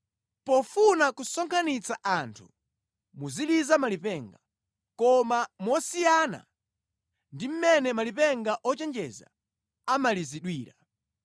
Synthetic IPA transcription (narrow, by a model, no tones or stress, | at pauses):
pɔfunakusɔŋkʰanit͡saʔantʰu̥̰ | muzilizamalipɛŋɡa | kɔmamwɔsijana̰ | ndim̩mɛnɛmalipɛŋɡaʔɔt͡ʃɛnd͡ʒɛza̰ | amaliziɗwiːɾa